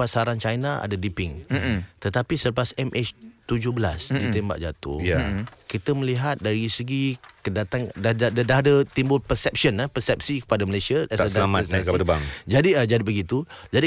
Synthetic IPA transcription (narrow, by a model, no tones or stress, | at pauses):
pasaɾant͡ʃajnaʔa̰dadipɪŋt̪ət̪apisələpasɛmʔɛt͡ʃt̪ud͡ʒʊbəla̰sdit̪emba̰ʔ̚d͡ʒat̪ṵhjakit̪əməliɦat̪̚daɾisəɡikəndat̪aŋdadadadadət̪imbʊlpərsɛp̚siənapərsɛp̚sikə̥padaməlesiəɛsadalamasakaadbaŋd͡ʒadid͡ʒadibəɡit̪ud͡ʒadi